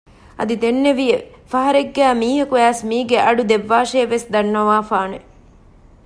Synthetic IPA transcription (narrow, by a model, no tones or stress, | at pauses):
ɐ̰d̪id̪enːeʋije | fɐɦɐɾeɡːæːmiːɦɐkuæːsmiːɡeʔɐɖud̪eʋːaːʃeːʋesd̪ɐnːɐʋaːfaːne